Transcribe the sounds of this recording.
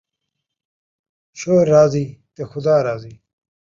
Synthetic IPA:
ɕoːɾːaːziːt̪exʊd̪aːɾaːziː

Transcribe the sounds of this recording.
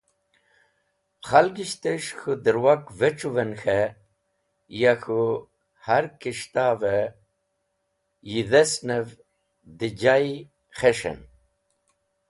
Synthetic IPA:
χalɡiʃt̪eʂxud̪iɾwak̚veʈ͡ʂuvenxe | jaxu | haɾkiʂt̪ave | jiðesnev | d̪id͡ʑaj | χeʂḛn

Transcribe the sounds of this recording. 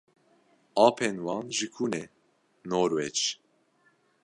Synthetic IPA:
ɑːpʰenwɑːnʒɨkʰunɛ | noːɾwɛd͡ʒ

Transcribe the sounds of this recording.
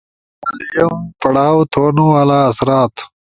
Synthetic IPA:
mɐlijɐmpɐɽaːwt̪ʰoːnuwalaːsɾaːt̪

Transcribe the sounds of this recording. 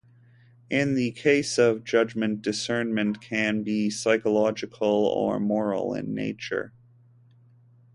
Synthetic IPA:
ʔɪ̃nðɨkʰeɪsʌvd͡ʒʌd͡ʒmɨ̃nd̥ɨsɜ̃˞nmɨ̃nkʰɨ̃nbisaɪkəlɑd͡ʒɨkʰl̩ˠə̰˞mɔɹl̩ˠɪ̰̃nːḛɪt͡ʃə̰˞

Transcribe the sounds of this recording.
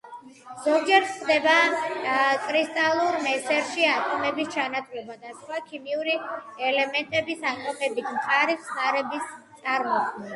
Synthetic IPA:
z̥ɔɡd͡ʒɛɾχd̪ɛba | kʼɾist̪ʼalˠuɾmɛsɛɾʃiat̪ʼɔmɛbist͡ʃʰanat̪ʼvlɛbad̪asχwakʰimiuɾiɛlɛmɛnt̪ʼɛbisat̪ʼɔpɛbit̪ʰmqʼaɾitsnaɾɛbist̪sʼaɾmɔχa

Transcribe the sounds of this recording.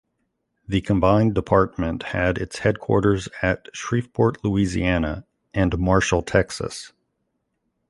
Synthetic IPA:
ðɨkʰə̃mbãɪ̃ndəpʰɑɹt̚mɨ̃nthɨɾɪtshɛd̚kʰw̥ɔ̰ɹɾə˞zɨtʃɹ̥ifpʰɔɹʔˡluizḭænə | ɨ̃nmɑɹʃl̩ˠtʰɛksə̰s

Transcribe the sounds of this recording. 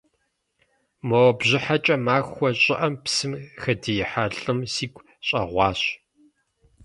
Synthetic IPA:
mɐwbʑɪħat͡ʃʼɐmaːxʷɔɕʼɪʔɐmpsɨmxɐdijɪħaɬʼɨmsiːɡʷ | ɕʼɐ̰ʁʷɑːɕ

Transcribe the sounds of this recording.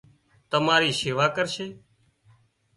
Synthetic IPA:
t̪əmaːɾiːseːʋaːkəɾʃeː

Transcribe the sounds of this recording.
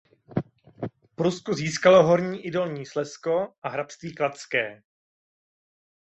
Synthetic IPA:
pɾuskoziːskalo̞ɦoɾɲiːʔɪdo̞lɲiːslɛsko̞ʔaɦɾapst̪viːklat̪skɛː

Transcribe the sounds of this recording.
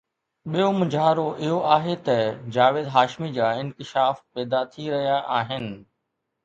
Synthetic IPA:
ɓijomʊ̃d͡ʑʱaːɾoʔɪɦoaːɦet̪ɐd͡ʑaːʋeːd̪ɦaːʃmid͡ʑaːɪ̃nkɪʃaːfpɛːd̪at̪ʰiɾɐɦijaʔaːɦɪnɪ̆

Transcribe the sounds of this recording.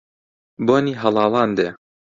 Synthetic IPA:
boniɦɐlˠɑːlˠɑnd̪e

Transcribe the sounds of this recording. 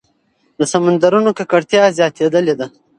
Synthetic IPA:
d̪əsamand̪aɾunokakaɽt̪jɑzjɑt̪ed̪əled̪a

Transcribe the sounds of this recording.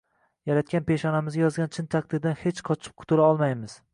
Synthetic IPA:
jaɾat̪̚kʲanpe̞ʃɒnamɪzɡʲajɒzɡʲant͡ʃʰɪnt̪ʰaq̚d̪ɪɾd̪anhet͡ʃqʰɒt͡ʃʰɪ̥p̚kʰʊ̥t̪ʰʊlaɒlˠmajmɪz̥

